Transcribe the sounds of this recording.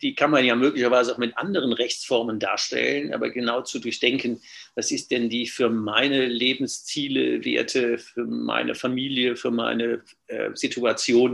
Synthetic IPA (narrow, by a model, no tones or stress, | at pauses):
d̥iːkʰanmanjaːmøːklɪçɐvaɪzəaʊxmɪtʔa̰ndəʁ̞ənʁɛçt͡sfɔɐmənda̰ːɐʃtɛ̰lənʔa̰ːbɐ̰ɡənaʊt͡sudʊɐçd̥ɛŋkən | vasɪst̚d̥ɛndiːfyːɐmaɪnəleːbm̩st͡siːlə̰vḛːɐtʰəfyːɐma̰ɪnʔə̰famiːljəfyːɐma̰ɪnə | ʔɛ̰ːzitʰuat͡sjoːn